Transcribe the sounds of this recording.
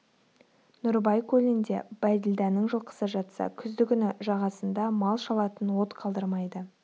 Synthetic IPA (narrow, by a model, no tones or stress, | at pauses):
nʊɾbɑjkʰɵlɪnd̪e̞̰b̥æd̪ɪld̪ɑnəɴʒəlˠqə̥səʒɑt̪sɑ̰kʲʰʏzd̪ɪɡʲɪnɪʒɑʁɑsənd̪ɑmɑlˠʃɑlˠɑt̪ənwo̞t̪qʰɑlˠd̪əɾmɑjd̪ə